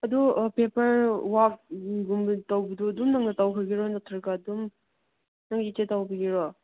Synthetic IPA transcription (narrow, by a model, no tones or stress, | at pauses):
ɐdupepɐɾwak̚ɡumbtawbiduɐdumnɐŋnɐtawkʰɐɾɡiɾɔnɐtʰɐɾɡadum | nɐŋitetawbiɡiɾɔ